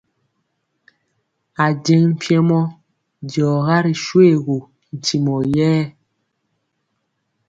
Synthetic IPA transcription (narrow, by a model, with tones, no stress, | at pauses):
a˨d͡ʒɛ˦ŋm̩˦˨pʰjɛ˦mɔ˦ | dɔː˨ɣa˦ɾi˨ʃwe˦˨ɣo˨ | n̩˨ti˨mɔ˨jɛː˦